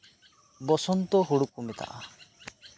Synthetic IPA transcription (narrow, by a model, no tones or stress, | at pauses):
bɔsɔnt̪ɔɦuɽukumet̪a̰ʔa